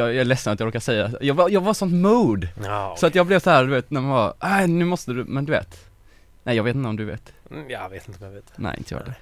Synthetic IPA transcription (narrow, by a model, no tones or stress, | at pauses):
jɑjɑælɛsːənat̪jɑɾoːkasɛjːajɑːɡajɑːɡvaɾsɔnt̪ːmuːd̪sɔat̪jɑːɡblɛvsɔhæːɾd̪ɵveːt̪næɾmanvɑɾʔæɪnʉ̟ːmɔst̪əd̪ʉmɛnd̪ɵvḛːt̪ | nɛɪjɑɡveːt̪ɪnɔmd̪ɵvḛːt̪jɑveːt̪ɪnt̪əɔmjavet̪nɛ̰ɪɪ̰nt̪əjɑ̰ːd̪ɛ